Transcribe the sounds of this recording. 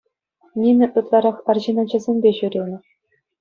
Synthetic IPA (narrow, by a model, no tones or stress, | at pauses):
nʲinʲɘ̆ʔɯt̪lˠɑɾɑχɑrʑinɑ̆t͡ɕɘ̆zʲenʲbʲeʑuɾʲelʲnʲɘ̆